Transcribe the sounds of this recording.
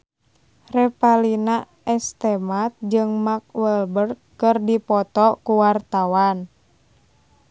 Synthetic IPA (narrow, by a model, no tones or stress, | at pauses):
rɛpalina | ʔɛst̪ɛmat̪̚d͡ʒɨŋmak̚wɛlbər̚ | kɨrdipɔt̪ɔkuwart̪awan